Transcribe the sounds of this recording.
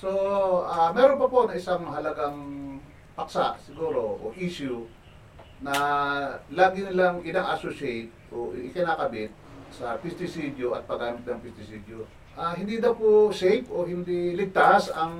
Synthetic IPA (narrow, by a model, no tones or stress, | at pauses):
so̞amɛːɾonpɐponɐɪsaŋɦɐlɐɡaŋ | pɐksa̰ʔsɪɡuːɾo̞ʔo̰ʔiʃʊ | nɐ | laːɡɪnɪlaŋʔɪnaʔasosɛjt̪̚ʔoɪkɪnaːkɐbɪt̪̚sɐpɪst̪ɪsid̪oʔɐ̰t̪̚pɐɡaːmɪt̪̚nɐŋpɪst̪ɪsid̪o | ʔaɦɪnd̪id̪ɐwposɛjfoɦɪnd̪ilɪɡ̚t̪asɐŋ